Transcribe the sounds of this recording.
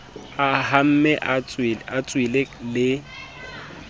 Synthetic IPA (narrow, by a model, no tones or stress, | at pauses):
aham̩mɛʔat͡swat͡sʼwilelɪ